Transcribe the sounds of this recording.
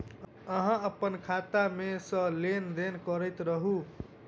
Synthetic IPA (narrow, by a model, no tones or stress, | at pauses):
əɦə̃əpənkʰat̪amesə̃lend̪enkəɾəjt̪ɾəɦu